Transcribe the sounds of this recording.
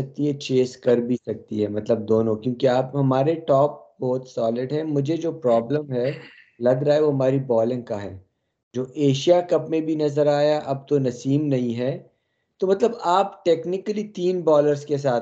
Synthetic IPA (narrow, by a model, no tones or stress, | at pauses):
ɐk̚t̪iɦɛt͡ʃeːskɐɾbʱisɐk̚t̪iɦɛmɐt̪ləb̚d̪oːnõkjõːkiaːpɦɐmaːɾeʈɔːp̚bɔːt̪sɔːlɪɖɦɛ̃mʊd͡ʒʱed͡ʒoːpɾɔːbləmɦɛ | lɐɡɾaːeʋoɦɐmaːɾibɔːlɪ̃ŋkaɦɛ̰ː | d͡ʒoːʔeːʃijakɐpmẽbʱinɐzəɾaːjaʔɐb̚t̪onɐsiːmnɐɦĩɦɛː | t̪omɐt̪ləbaːpʈeːknɪkəlit̪iːnbɔːləɾzkes̬aːt̪